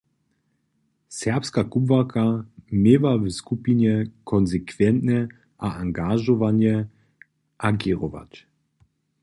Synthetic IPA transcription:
sɛʁpskakubvakʰameːvavəskupiɲɛkʰɔnzɛkvɛnt̪nɛ | ʔaaŋɡaʒɔvanjɛ | ʔaɡeʁɔva̰t

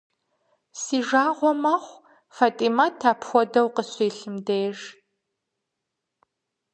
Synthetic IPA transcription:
siːʒaːʁʷɔmɐχʷ | faːtʼimatʰːaːpʰxʷɔdɐwqəɕiːɬɨmdeːʒ

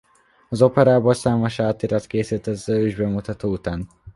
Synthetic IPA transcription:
ɒzo̞pɛɾaːboːlsaːmoʃaːt̪iɾɒt̪keːsit̪ɛzøøːʒbɛmut̪ɒt̪oːut̪aːn

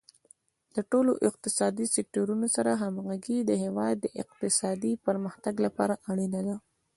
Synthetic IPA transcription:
laʈoloʔɪq̚t̪ɪsɑd̪isɪk̚ʈoɾunosaɾaɦamɣaɡid̪əɦewɑjd̪ːəʔɪq̚t̪ɪsɑd̪ipəɾməxt̪aɡlapɑ̰ɾaʔaɽinad̪a

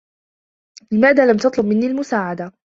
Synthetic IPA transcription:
lɪmaːðaːlamt̪ɑt̪ˤlʊbmɪnːiːlmʊsaːʕad̪a

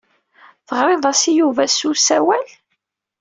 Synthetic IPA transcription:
θəʁɾˤɪðˤɑsijuvæsusæwæl

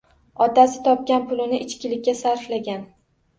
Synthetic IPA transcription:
ɒt̪asɪ̥t̪ʰɒp̚kʲanpʰʊlɪnɪʔɪt͡ʃkʲɪlɪkʲːasaɾflaɡʲan

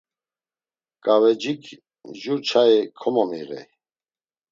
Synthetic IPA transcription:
kʼavɛd͡ʒikʰ | ʒut͡ʃʰaɛkʰɔmɔmḭɣɛ̰

